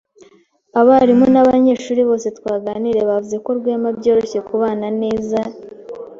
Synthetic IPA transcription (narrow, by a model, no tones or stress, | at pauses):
aβaɾimonaβaɲe̞ːʃuːɾiβo̞ːse̞twaːɡaːniɾe̞βavuze̞ko̞ɾɡwemabɟo̞ːɾo̞çe̞kuβaːnane̞ːza